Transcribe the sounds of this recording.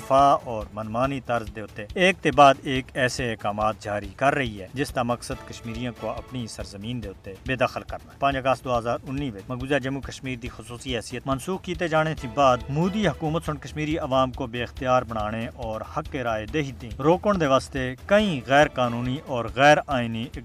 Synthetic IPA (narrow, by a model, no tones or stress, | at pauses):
faːɔːɾmənmaːnit̪ɐɾzd̪eːʊt̪ːeeːk̚t̪ebaːd̪eːkɛːseeːkaːmaːt̪̚d͡ʒaːɾikɐɾːɐɦiɦɛːd͡ʒɪst̪amɐksəd̪kɐʃmiːɾijãkoɐ̰pnisɐɾzəmĩːnd̪eːʊt̪ːebeːd̪axəlkəɾnaɦpãːd͡ʒɐɡəst̪̚d̪oːɦəzaːɾʊnːiːʋemɐɡuːzad͡ʒɐmukəʃmiːɾd̪ixʊsuːsiɦɛːsijət̪mənsuːxkiːt̪̬ed͡ʒaːɽ̃et̪ʰĩbaːd̪muːd̪iɦɐkuːmət̪sʊɳkɐʃmiːɾiʔɐʋaːmkobeːɪxt̪ijaːɾbəɽ̃aːɽ̃eʔɔːɾhɐkːeɾaːed̪eːɦit̪ĩɾoːkəɽ̃d̪eːʋaːst̪ekɐĩɣɛːɾkaːnuːniʔɔːɾɣɛːɾaːini